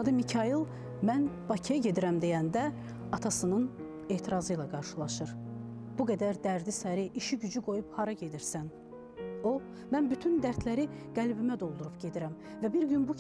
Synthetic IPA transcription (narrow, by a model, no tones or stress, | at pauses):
d̪ɯmicʰɑjilˠ | mænb̥ɑcʰijɑɟe̞d̪iɾæmd̪ejænd̪æ | ɑt̪ʰɑsɯnɯn | e̞ːt̪ʰiɾɑzɯjlˠɑɡɑɾʃɯlˠɑʃɯɾb̥uɡæd̪æɾd̪æɾd̪isæɾiʔiʃiɟyd͡ʒyɡo̞juphɑɾɑɟe̞d̪iɾsæn | o | mænbyt̪ʰynd̪æɾt̪ʰlæɾiɡ̥ælbimæd̪o̞lˠd̪uɾubɟe̞d̪iɾæm | væbiɾɟynbu